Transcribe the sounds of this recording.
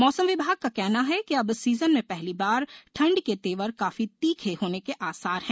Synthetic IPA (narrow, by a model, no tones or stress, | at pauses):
mɔːsə̃mʋɪbʱaːɡ̚kakɛɦnaɦɛkiɐbsiːzənmẽpɛɦlibaːɾʈʰɐ̃ɳɖket̪eːʋəɾkaːfit̪iːkʰeɦoːnekeʔaːsaːɾɦɛ̃ː